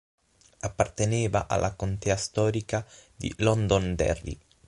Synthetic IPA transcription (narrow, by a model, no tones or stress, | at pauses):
apːart̪eneːvaʔa̰lːʔakont̪ɛːast̪ɔːɾikad̪ḭlɔnd̪ond̪ɛ̰rːḭ